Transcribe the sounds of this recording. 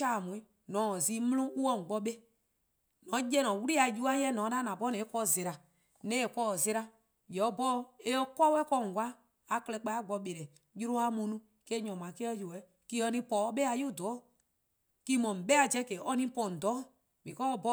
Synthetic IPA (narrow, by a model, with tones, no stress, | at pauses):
a˦˨mũ˨ĩ˦ | nɔ̃˨˦ɔ˨ziː˨˦mũ˦lõ˦ʔu˦ɔ˧˨ŋ̩˨ɡ͡bɔ˧ɓe˦ | nɔ̃˨˦jɛ˦nɔ̃˨wu˦ɾi˦a˧˨ju˦a˦jɛ˦nɔ̃ː˨˦da˦nã˨pɔ˦nɛ̃˨˦kɔ˧˨ze˨ɾa˨ | nɛ̃˨˦e˨kɔ˧˦ɔ˨ze˧˦ɾa˧ | jɛ˨ɔ˧˦bɔ˦e˦ɔ˧kɔ˦wɛ˦kɔ˧˨ŋ˨ɡʷwa˦ | a˨kɛ˧lɛ˧˦k͡pa˧˦a˦ɡ͡bɔ˧ɓe˨ɾɛ˨ | ju˦ɾo˦a˧mũ˧˦nũ˦ | ke˦ɲɔ̃˨mã˨˦ke˦ɔ˦jo˨ɛ˨˦ | ki˦ɔ˧nĩ˧˦pɔ˨˦ɔ˦ɓe˦a˧ju˦˨dɔ˨˦˨ | ki˦mɔ̃˨ɓɛ˦a˨d͡ʒɛ˦ke˨˦ɔ˧˦nĩ˦pɔ̃˨n̩˨dɔ˨˦ | mĩ˨kɔ˦ɔ˧bɔ˦